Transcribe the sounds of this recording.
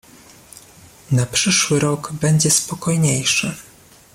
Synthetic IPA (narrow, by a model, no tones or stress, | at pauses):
napʂɘʂwɘɾɔɡbɛɲd͡ʑɛspɔkɔjɲejʂɘ̰